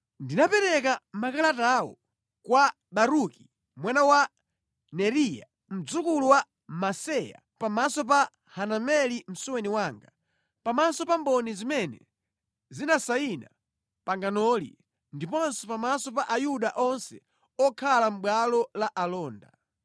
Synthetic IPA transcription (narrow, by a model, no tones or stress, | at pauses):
ndinapɛɾɛkamakalatawɔ̰ | kwa | ɓaɾuki | mwanawa | nɛɾija̰ | m̩d͡zukuluwa | masɛja̰ | pamasɔp̬a | hanamɛlim̩suwɛniwaːŋɡa | pamasɔpambɔnizimɛnɛ̰ | zinasaina̰ | paŋɡanɔlḭ | ndipɔnsɛpamasɔpaʔajuɗaʔɔnsɛ | ɔkʰalam̩ɓwalɔlaʔalɔːnda